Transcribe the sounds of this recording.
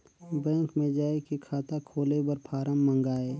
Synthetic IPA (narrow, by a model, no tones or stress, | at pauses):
bɛ̃ːŋkmẽd͡ʒaːekikʰaːt̪akʰoːlebəɾpʰaːɾəmːə̃ŋɡaːe